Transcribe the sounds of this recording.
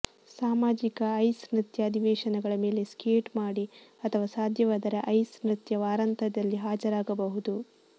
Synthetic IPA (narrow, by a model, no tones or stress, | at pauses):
saːmaːd͡ʒikɐɐjsnɾit̪jɐːd̪iʋɛːʃɐnɐɡɐɭɐme̞ːle̞skeːʈmaːɽiɐt̪ʰɐʋaːsaːd̪ʱjɐʋaːd̪ɐɾeʔɐjsnɾit̪jɐʋaːɾɐnt̪ɐd̪ɐlːiɦaːd͡ʒɐɾaːɡɐbɐɦud̪u